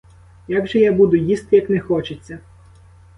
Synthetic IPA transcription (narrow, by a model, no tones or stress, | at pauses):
jaɡʒɛjabud̪ʊjist̪ɪjɐknɛxɔt͡ʃɪt͡sʲːɐ